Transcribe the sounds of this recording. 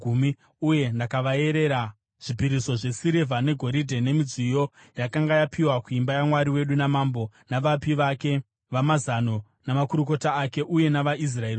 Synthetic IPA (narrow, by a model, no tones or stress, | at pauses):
umi | uje̞ndakaʋae̞ɾe̞ɾa | ʐ̥ipiɾiso̞ʐe̞siɾevʱane̞ɡʱo̞ɾidʱe̞ne̞mid͡zijo̞ | jakaŋɡajapʰiwakuimbajamwaɾiwe̞ɗunamambo̞naʋapiʋake̞ | ʋamazano | namakuɾuko̞taːke̞ʔuje̞naʋaʔis̬raeɾi